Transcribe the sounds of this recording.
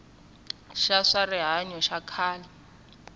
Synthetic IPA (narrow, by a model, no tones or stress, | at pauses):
ʃaʂarɪɦaɲɔʃakʰaːli